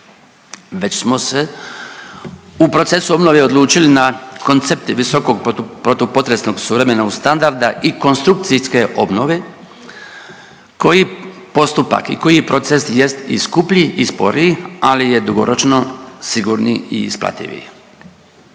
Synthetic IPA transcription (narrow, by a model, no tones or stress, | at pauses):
ʋe̞t͡ɕsmose | upɾo̞t̪se̞suo̞bno̞ʋeo̞d̪lˠuːt͡ʃilinako̞nt̪se̞p̚t̪ʋiso̞koɡ̚pɾot̪opot̪ɾesno̞ɡsuʋɾemenaust̪and̪aɾd̪aʔiko̞nst̪ɾuk̚t̪siske̞ʔo̞̰bno̞ʋe̞ | ko̞ji | po̞st̪upa̰kḭko̞jipɾo̞t̪sesje̞st̪ḭskupʎiʔispo̞̰ɾialije̞d̪uɡo̰ɾot͡ʃno̞siɡuɾnḭḭːspla̰t̪ḭʋḭ